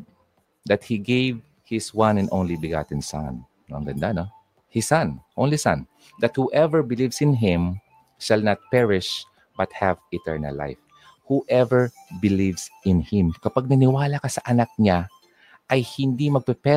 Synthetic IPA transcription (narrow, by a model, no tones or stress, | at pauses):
d̪ɐt̪̚hiɡejv | hɪswãnɐ̃nʔõwnlibɪɡa̰t̪ɪ̃nsa̰n | ɐ̰ŋɡɐnd̪ano | hɪsãnʔownlisã̰n | d̪ɐt̪̚huʔɛvəɹbɪlivsɪ̃nɦɪ̃m | ʃalnat̪̚pɛɹɪʃ | bɐt̪̚havɪt̪ɛ̰ɹnɐ̰lːa̰jf | huʔɛvɛɹ | bɪlivsʔɪ̃nhɪ̃mkɐpaɡ̚nɐnɪwaːlakɐsɐʔɐnak̚ɲa | ʔɐjhɪnd̪imɐɡ̚pɛpɛ